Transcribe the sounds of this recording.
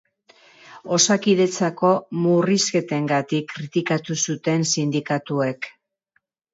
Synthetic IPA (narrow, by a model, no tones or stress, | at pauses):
o̞sakiðe̞t͡sako̞muriske̞t̪e̞ŋɡat̪ikːɾit̪ikat̪usut̪e̞nsind̪ikat̪ue̞k